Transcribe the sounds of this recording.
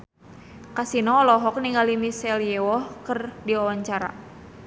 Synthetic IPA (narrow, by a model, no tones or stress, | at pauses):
kasinɔːlɔɦɔk̚niŋɡalimisɛljɛwɔhkɨrdiɔwaɲt͡ʃaɾa̰